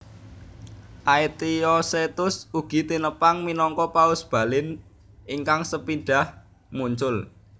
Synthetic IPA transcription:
ʔait̪iɔset̪ʊsuɡ̥i̤t̪inəpaŋminɔŋkɔpaʊsb̥ä̤lɪn | ʔiŋkaŋsəpiɖ̥a̤h | muɲt͡ʃʊl

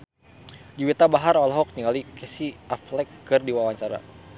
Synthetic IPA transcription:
diwit̪abaɦaɾɔlɦɔk̚ɲiŋalikɛsiaflɛkːɨrdiwawaɲt͡ʃaɾa̰

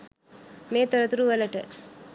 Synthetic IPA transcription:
meːt̪ɐɾɐt̪uɾuʋɐlɐʈːɐ

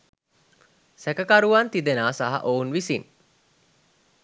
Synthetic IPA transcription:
sækəkaɾuʋant̪id̪enaːsaɦa̰ʔounʋisin

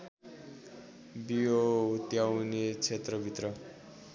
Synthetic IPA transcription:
bijoɦut̪jawnet͡sʰet̪rʌbʱit̪rʌ

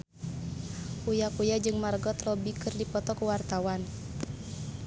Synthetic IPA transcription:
ʔujakujad͡ʒɨŋmarɡɔt̪rɔbikɨrdipɔt̪ɔkuwart̪awan

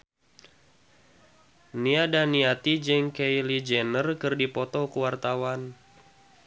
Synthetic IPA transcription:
niadaniat̪id͡ʒɛŋkejlid͡ʒɛnərkɨrdipɔt̪ɔkuwart̪awan

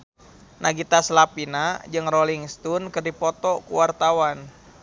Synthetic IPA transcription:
naɡit̪aslapinad͡ʒɨŋrɔliŋst̪unkɨrdipɔt̪ɔkuwart̪awan

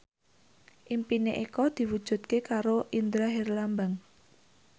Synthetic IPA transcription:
ʔimpinḛʔikɔd̪̥i̤wud̥ʒ̥ṳt̪̚kekaɾoʔind̪ɾaɦerlambaŋ

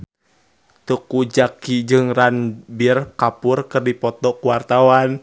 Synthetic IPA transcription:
t̪ukud͡ʒakid͡ʒɨŋranbirkapurkɨrdipɔt̪ɔkuwart̪awan

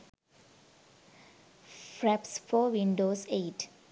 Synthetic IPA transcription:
fɾæpsfoːʋĩɳɖoːseːʈ

